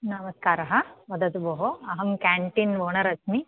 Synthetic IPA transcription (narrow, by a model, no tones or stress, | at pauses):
nɐmɐskaːɾɐɦɐʋɐd̪ɐt̪uboɦoɐɦɐmkaːɳʈinʋoːɳɐɾɐkʰmi